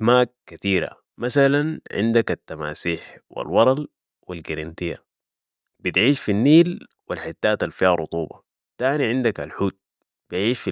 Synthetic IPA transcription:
maːkːat̪iːɾa̰ | masalanʕɪ̰nd̪akat̪ːama̰ːsiːħwḭlwɑɾˤɑl | wilɡiɾint̪ija̰ | b̥it̪ʕiːʃfinːiːl | wilħit̪ːaːt̪alfiaɾˤṵt̪ˤuːbɑ̰ | t̪aːniʕɪnd̪akalħuːt̪̚ | b̥ijʕiːʃfi

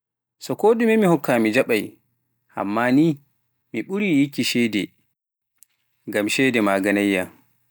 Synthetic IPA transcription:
sɔkoːdumɛmihɔkːaːmid͡ʒaɓaj | ha̰mːaniː | miɓuɾijikːiʃɛdɛ | ŋɡamʃɛdɛmaːɡanajːa

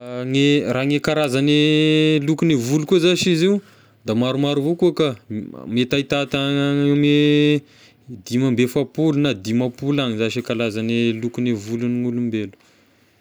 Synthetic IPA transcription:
ŋeraŋekaɾazanelukunevulukuzaʃiziu | d̪amaɾumaɾuvokuakamet̪ait̪at̪ame | d̪imambefapulunad̪imapulaŋizaʃekalazanelukunevuluniŋulumbelu̥

